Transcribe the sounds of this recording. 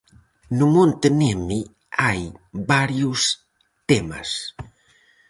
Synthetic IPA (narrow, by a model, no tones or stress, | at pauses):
numont̪ənemi | ajbaɾjus | t̪emə̰s